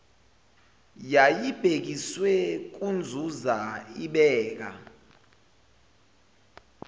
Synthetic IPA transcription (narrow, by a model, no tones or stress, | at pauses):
jajib̥ʱek̬iswɛk̬und͡zʱuzaiɓɛːk̬a̰